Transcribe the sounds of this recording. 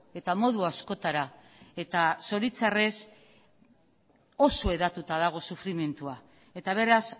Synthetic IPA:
e̞t̪amo̞ðuasko̞t̪aɾa | e̞t̪aso̞ɾit͡sare̞s | o̞so̞e̞ðat̪ut̪að̞aɣ̞o̞sufɾime̞nt̪ua | e̞t̪aβ̞e̞ɾas

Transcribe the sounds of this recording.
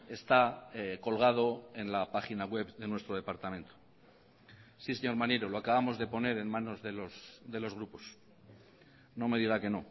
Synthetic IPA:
e̞st̪ako̞lɣ̞að̞o̞e̞nlapaχinaɣwe̞βðe̞nwe̞st̪ɾoðe̞paɾt̪amẽ̞nt̪ʰo̥ | sise̞ɲo̞ɾmaneɾo̞loakaβamo̞zðe̞po̞ne̞ɾe̞nmano̞zðe̞losðe̞lo̞zɣ̞ɾupo̞s | no̞me̞ðiɣ̞ake̞no̞

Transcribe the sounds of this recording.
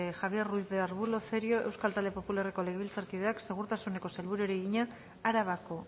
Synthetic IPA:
exaβje̞rruiθðeaɾβulo̞θeɾio̞ʔe̞wskalt̪ald̪e̞po̞pulareko̞leɣβilt͡saɾkiðe̞akse̞ɣ̞uɾt̪asune̞ko̞selβuɾuoɾiɣiɲa | aɾaβ̞ako̞

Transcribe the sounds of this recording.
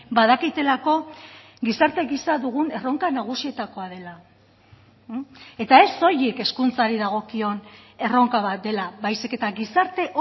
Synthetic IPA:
bað̞akit̪e̞lako̞ | ɣisaɾt̪e̞ɣisaðuɣ̞une̞ro̞ŋkanaɣ̞usie̞t̪ako̞að̞e̞la | e̞t̪ae̞so̞jeke̞skunt͡saɾiðaɣ̞o̞kio̞ne̞ro̞ŋkaβ̞at̪̚d̪e̞labajsike̞t̪aɣisaɾt̪e̞ʔo

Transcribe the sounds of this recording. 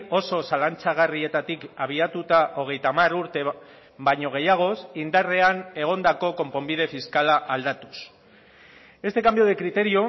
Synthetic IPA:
o̞so̞salant͡saɣ̞arie̞t̪at̪ikaβ̞iat̪ut̪aʔo̞ɣ̞e̞jt̪amaruɾt̪e̞ | baɲo̞ɣ̞e̞jaɣ̞o̞sind̪are̞ane̞ɣ̞o̞nd̪ako̞ko̞mpo̞mbið̞e̞fiskalaʔald̪at̪u̥s | e̞st̪e̞kambjo̞ð̞e̞kɾit̪e̞ɾio̞

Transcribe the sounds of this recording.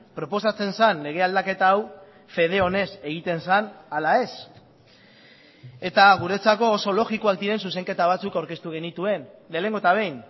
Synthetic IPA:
pɾo̞po̞sat͡se̞nsanle̞ɣ̞e̞ald̪ake̞t̪aːw | fe̞ð̞e̞o̞ne̞se̞ɣit̪e̞nsanalae̞s | e̞t̪aɣ̞uɾe̞t͡sako̞ːso̞lo̞ɣiko̞ak̚d̪iɾe̞ns̬use̞ŋke̞t̪aβ̞at͡sukawɾke̞st̪uɣe̞nit̪ue̞nle̞ːle̞ŋɡot̪aβ̞e̞jn

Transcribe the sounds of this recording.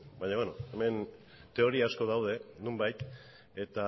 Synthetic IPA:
baɲaβenoeme̞n | t̪e̞o̞ɾiaːsko̞ðawð̞e̞numbajt̪ | e̞t̪a

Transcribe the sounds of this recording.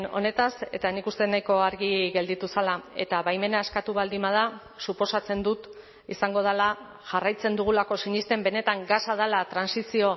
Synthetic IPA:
no̞̰ne̞t̪ase̞t̪anikust̪e̞najko̞aɾɣiɣe̞ld̪it̪usalae̞t̪aβajme̞naeskat̪uβald̪imað̞a | supo̞sat͡se̞nd̪ut̪ | isaŋɡo̞ð̞ala | ʝarajt͡se̞nd̪uɣ̞ulako̞siɲist̪e̞mbe̞ne̞t̪aŋɡasað̞alat̪ɾansisio̞

